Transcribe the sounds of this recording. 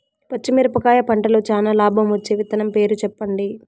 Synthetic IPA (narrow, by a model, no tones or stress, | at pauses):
pɐt͡ʃːimiɾɐpɐkaːjɐpɐɳʈɐloːt͡ʃaːnaːlaːbʱɐmʋɐt͡ʃːeːʋit̪ɐnɐmpe̞ːɾut͡ʃɛpːɐɳɖi